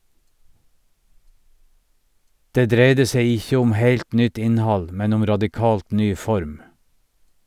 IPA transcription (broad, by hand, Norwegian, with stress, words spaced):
ˈdeː ˈdɾeɪdə ˈseɪ ˈɪçə ˈʊm ˈheɪlt ˈnʏt ˈɪnˌhɑl ˈmɛn ˈʊm ɾɑdɪˈkɑːlt ˈnyː ˈfɔɾm